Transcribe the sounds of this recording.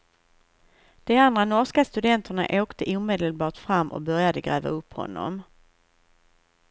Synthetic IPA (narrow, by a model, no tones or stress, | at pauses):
d̪̥ɛand̪ɾanɔʂkast̪ɵd̪ɛnt̪ʰəɳa̰ʔoːkt̪ʰəʔuːmeːd̪əlbɑːʈfɾamːʔɔ̰bœɾjad̪əɡɾɛːva̰ɵpːhɔ̰nːɔ̰m